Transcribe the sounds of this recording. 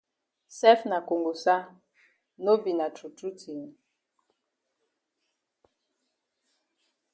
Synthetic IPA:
sɛ˦fna˨ko˨ŋɡo˨sa˦ | no˦bi˨na˨tu˨tu˦tʰi˨n˨

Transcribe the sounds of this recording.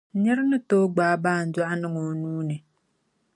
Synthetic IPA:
ɲɛ˦ɾɪ˦nɨ˦toː˦ɡ͡baː˨˦˨baː˦˨n̩˨da˦ʔa˦nɨ˦ŋo˨nuː˦nɨ˨

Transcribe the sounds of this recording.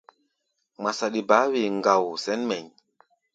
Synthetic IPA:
ma˨sa˨ɗi˨baː˨˦we˨ŋɡa˨wsɛ˦nmɛ˨ɲ

